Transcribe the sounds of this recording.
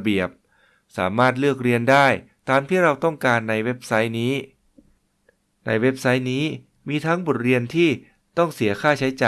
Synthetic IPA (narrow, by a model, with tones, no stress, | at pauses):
bi˨˩əp̚ | sa̰ː˩˦maː˥˩t̪̬̚lɯ˥˩ək̚ɾi˧əndaː˥˩j | t̪aː˧mt̪ʰiː˥˩ɾa˧wt̪ɔ˥˩ŋkaː˧nːa˧jwe˦˥p̚sa˦˥jniː˦˥ | na̰˧jwe˦˥p̚sa˦˥jniː˦˥ | miː˧t̪ʰa˦˥ŋbo˨˩t̪̚ɾi˧ənt̪ʰiː˥˩ | t̪ɔ˥˩ŋsi˩˦ɐkʰaː˥˩t͡ɕʰa˦˥jt͡ɕaː˨